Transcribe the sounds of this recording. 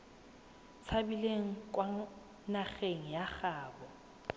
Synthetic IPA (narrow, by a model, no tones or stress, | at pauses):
t͡sʰabileŋ̩kʼwa | naχeŋ̩jak͡xaːbɔ